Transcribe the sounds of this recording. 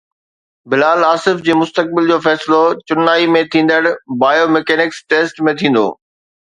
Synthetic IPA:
bɪlaːlaːsɪfd͡ʑeːmʊst̪ək̚bɪld͡ʑoːfɛːsɪlot͡ɕʊnːaːimẽt̪ʰĩːn̆d̪əɽbaːjomɛkɛːnɪksʈeːsʈmẽt̪ʰĩːn̆d̪o̰ː

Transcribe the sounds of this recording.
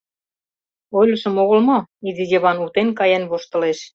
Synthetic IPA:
ojlʲɤ̆ʃə̆moɣə̆lmoizijĕβɑnut̪enkɑjænβoʃt̪ɤ̆leʃ

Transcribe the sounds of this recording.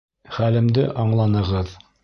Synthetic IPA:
χælɘ̆md̪ɘʔɑɴlˠɑnɤ̆ʁɤð

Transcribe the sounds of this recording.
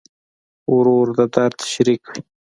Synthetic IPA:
ʊɾoːɾd̪əd̪aɾt̪ʰḁʃɾikwi

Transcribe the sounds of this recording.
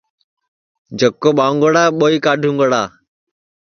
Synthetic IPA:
d͡ʒʱəkːoːɓaːŋɡəɽaːɓoːiːkaːɖʱũːŋɡəɽaː

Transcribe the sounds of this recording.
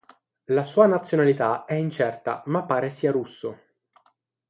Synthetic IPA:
lasuːanat̪sːjonalit̪aɛint͡ʃɛrt̪a̰mapːaːɾesiːaɾusːo

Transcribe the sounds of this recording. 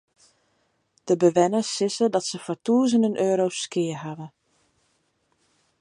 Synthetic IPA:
d̥əbəʋɛnəsːɪsədɔtsəfɔɹtuːzənənʔøːɾowskɪəɦavə

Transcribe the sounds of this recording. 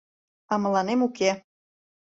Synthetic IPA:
ɑmə̆lɑnemuke

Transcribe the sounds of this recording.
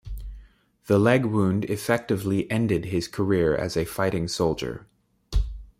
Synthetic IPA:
ðəlɛɡwũndɪfɛk̚tɨvliʔɛ̃ndɨd̚ɪz̥kʰə˞ɪɹɨ̰zɨfaɪɾɪ̃ŋsoʊlˠd͡ʒə̰˞

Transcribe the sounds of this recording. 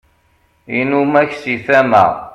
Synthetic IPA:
inumæçsiθæmæ̰

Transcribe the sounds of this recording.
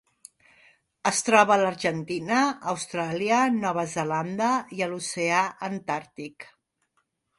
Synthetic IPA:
əst̪ɾɔβəːləɾʒənt̪inəːwst̪ɾaliənɔβ̞əzəland̪əiəluseaʔənt̪aɾt̪ik

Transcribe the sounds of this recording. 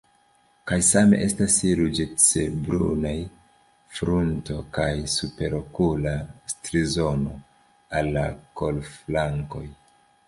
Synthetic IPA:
kajsame̞̰ʔe̞stasiɾud͡ʒet͡se̞bɾṵnaj | fɾunto̞kajsupe̞ɾokulastɾizo̞no̞ | alːako̞lflaŋko̞̰j

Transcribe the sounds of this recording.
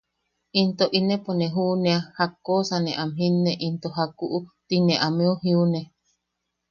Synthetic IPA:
int̪oʔinẽponẽɦunẽahakːoːsanẽʔamɦinːeʔint̪oɦakuʔut̪inẽʔamẽuɦiune

